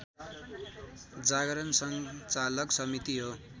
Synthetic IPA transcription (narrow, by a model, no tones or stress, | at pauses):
d͡zaɡʌɾʌnsʌŋt͡salʌksʌmit̪iɦo